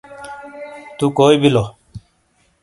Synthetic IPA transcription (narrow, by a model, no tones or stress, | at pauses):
t̪uːkoːibiloː